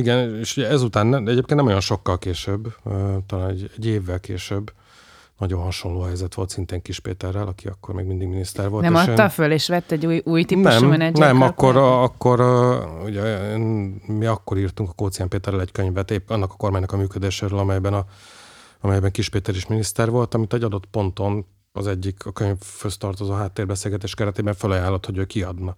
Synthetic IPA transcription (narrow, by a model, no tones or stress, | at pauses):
iɡɛneːʃuɟɛɛzut̪aːnːɛɛɟeːpkent̪nɛmojonʃo̞kːɒlkeːʃøbːøːt̪ɒlaːnɛɟɛɟːeːvːɛlkeːʃøbː | nɒɟo̞nɦɒʃo̞nloːɦɛjzɛt̪ʋo̞lt̪sint̪eːŋkiʃpḛːt̪ɛrːɛlɒkiɒkːo̞̰rmeːɡmind̪iɡminist̪ɛrʋo̞lnɛmɔt̪ːɒføleːʃʋɛt̪ːɛɟujuːjt̪inɛmɛnɛnɛmɒkːoɒkːo̞ɾuɟɛeːnmiɒkːo̞ɾiːrt̪uŋkɒ̥koːt̪sijaːmpeːt̪ɛrːɛlɛɟkøɲvɛt̪eɒnːɒkɒ̥ko̞rmaːɲnɒkɒmyːkød̪eːʃeːɾøːlɒmɛjbɛnɒ | ɒmɛjbɛŋkiʃpeːt̪ɛɾiʃminist̪ɛrvo̞lt̪ɒmit̪ɛɟːɒd̪o̞t̪po̞nt̪o̞n | ɒ̰zɛɟːikɒkøɲvhøst̪ɒrt̪ozoːɦaːt̪ːeːrbɛselɡɛt̪eːʃkɛɾɛt̪eːbɛɱfølɒjaːlːo̞t̪hoɟøːkiɒd̪nɒ